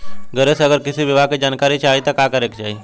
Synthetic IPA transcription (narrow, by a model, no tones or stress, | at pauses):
ɡəɾesəɡəɾkit̪ʰiːʋiʋaked͡ʑankaɾit͡ɕajt̪əkakəɾekd͡ʑai